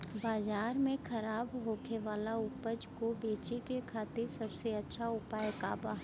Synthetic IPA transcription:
baːzaːɾmẽxʰɐɾaːbɦoːkʰeʋaːlaʊpəd͡ʒkobeːt͡ʃekekʰaːt̪ɪɾsɐbseɐtːʃʰaʊpaːjka̰ːbaːɦ

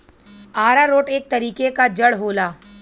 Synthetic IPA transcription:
aːɾaɾoːʈeːk̚t̪ɐɾiːkekad͡ʒɐɽɦoːlaː

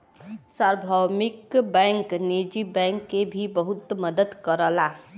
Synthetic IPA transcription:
saɾbʱəmikbɛŋkned͡ʒibɛ̃ŋkːebʱibəɦut̪məd̪əd̪kəɾəla

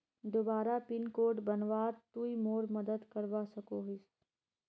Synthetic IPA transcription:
d̪obaːɾapɪnkoːʈbɐnʋaːɾt̪uimoːɾmɐd̪əd̪kɐɾʋaːsɐkoɦɪs

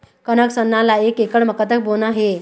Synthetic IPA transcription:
kənəksənːalaekekəɽməkət̪ək̚bonaɦe

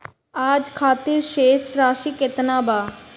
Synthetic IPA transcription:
aːd͡ʑkʰaːt̪iɾʃeʃɾaːʃiket̪naba

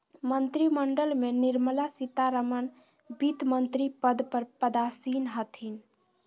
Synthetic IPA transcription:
mənt̪ɾiməɳɖəlmeniɾməlasit̪aɾəmən | bit̪mənt̪ɾipəd̪pəɾpəd̪asinɦət̪ʰin

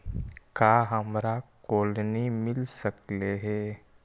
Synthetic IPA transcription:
kaːɦəmɾakoːlnimɪlsəkleɦɛː

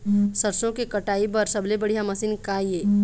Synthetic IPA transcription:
sɐɾsõkikɐʈaːipɐɾsɐblebɐɽ̤ijamɐsiːnkajeː

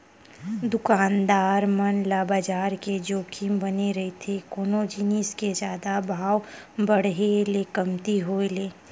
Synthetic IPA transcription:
d̪ʊkaːnd̪aːɾmənlaːbaːd͡ʒaːɾked͡ʒoːkʰimbəneɾɐɦet̪ʰekoːnod͡ʒiːnisked͡ʒjaːd̪abʱaːwbəɽɦelekəmt̪iɦoːeleː

